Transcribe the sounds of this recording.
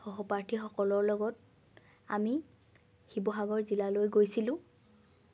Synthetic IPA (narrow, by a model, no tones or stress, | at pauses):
xɔɦɔpaɹtʰixɔkɔlɔɹlɔɡɔt̚ | a̰mi | xibɔɦaɡɔɹzilalojɡojsilʊ̃